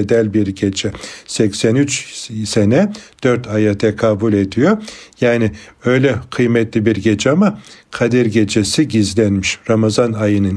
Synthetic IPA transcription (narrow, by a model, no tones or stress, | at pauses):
d̪ælʲbiɾɟed͡ʒɛsɛcsænyt͡ʃsenɛd̪̥øɾt̪ʰajat̪ʰɛkʰabulʲed̪ijojaːnɪøjlʲɛkʰɯjmɛt̪lʲibiɾɟed͡ʒɛamakʰad̪ɛɾɟed͡ʒesiɟizlʲænmiʃɾamazanajɯnɯn